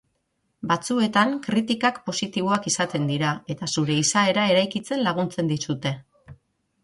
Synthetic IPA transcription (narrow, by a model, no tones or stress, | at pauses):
bat͡sue̞t̪aŋkɾit̪ikakpo̞sit̪iβ̞o̞akisat̪e̞nd̪iɾae̞t̪asuɾe̞isae̞ɾae̞ɾajkit͡se̞nlaɣ̞unt͡se̞nd̪isut̪e̞